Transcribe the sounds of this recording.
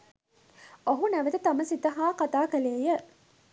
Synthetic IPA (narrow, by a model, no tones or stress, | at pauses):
ʔoɦunæʋet̪ɐt̪ɐməsit̪ɐɦaːqat̪aːkæleːjə